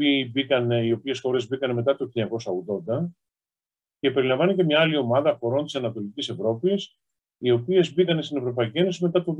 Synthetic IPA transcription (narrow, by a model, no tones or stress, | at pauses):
ibik̪ɐnio̞pie̞sxo̞ɾe̞zbik̪ɐnemet̪ɐt̪ociniɐko̞sɐɣot̪o̞d̪ɐ | cepe̞ɾilɐɱvɐnice̞mɲɐɐlio̞mɐðɐfo̞ɾo̞nt̪isɐnɐt̪o̞licise̞vɾo̞pis | io̞pie̞zbitɐnest̪ine̞vɾo̞pɐicie̞no̞sime̞t̪ɐt̪o